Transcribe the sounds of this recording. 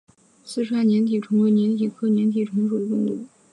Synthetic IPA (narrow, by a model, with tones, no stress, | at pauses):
sɹ̩˥˧ʈ͡ʂʰwa˥nnjɛ˧˥nt̪ʰi˨˩ʈ͡ʂʰʊ˧˥ŋwe˧˥ɪnjɛ˧˥nt̪ʰi˨˩kʰɤ˥njɛ˧˥nt̪ʰi˨˩ʈ͡ʂʰʊ˧˥ŋʂu˨˩d̪ə˦t̪ʊ˥ŋt̪u˧˥